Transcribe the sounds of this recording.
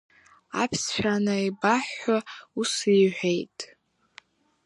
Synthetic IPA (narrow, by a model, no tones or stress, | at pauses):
a̰pʰst͡ʃʷᶣanaibaħːausiʕʷᶣejtʼ